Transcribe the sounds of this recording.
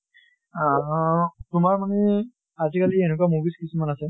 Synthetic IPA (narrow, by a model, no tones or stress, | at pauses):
tumaɹmane | ad͡ʒikalienukuamubiskisʰimanase